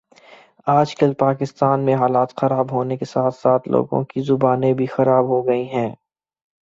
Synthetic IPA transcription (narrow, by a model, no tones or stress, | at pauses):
aːd͡ʒkəlpaːkɪst̪aːnmẽɦaːlaːt̪xɐɾaːbɦoːnekesaːt̪ʰsaːt̪ʰlo̰ːɡõ̰kizʊbaːnẽbʱixɐɾaːbɦoɡɐiɦɛ̃ː